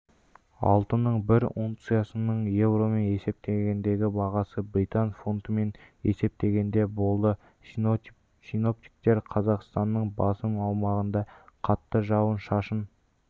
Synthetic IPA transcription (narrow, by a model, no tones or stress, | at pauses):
ɑ̰lˠt̪ənːəɴbɪɾunt̪sɨjɑsənəɴje̞wɾo̞me̞ne̞se̞p̚t̪eɡʲe̞nd̪e̞ɡʲɪbɑʁɑsəbɾijt̪ɑnfo̞nt̪əme̞ne̞se̞p̚t̪e̞ɡʲe̞nd̪e̞bo̞lˠd̪ə | sino̞p̚t̪i̥k̚t̪e̞ɾqʰɑzɑqst̪ɑnːəɴbɑsəmɑwmɑʁənd̪ɑqʰɑt̪ːəʒɑwənʃɑʃən